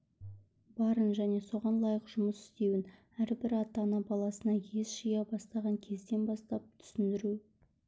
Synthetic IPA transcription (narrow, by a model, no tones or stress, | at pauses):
bɑɾənʒæne̞so̞ʁɑnlˠɑjəqʒ̥ʊməsɪ̥st̪e̞wɪn | æɾbɪɾɑt̪ɑnɑbɑlˠɑsənɑjezʒijɑbɑst̪ɑʁɑŋkʲʰe̞zd̪e̞nbɑst̪ɑp̚t̪ʰʏ̥sɪnd̪ɪɾu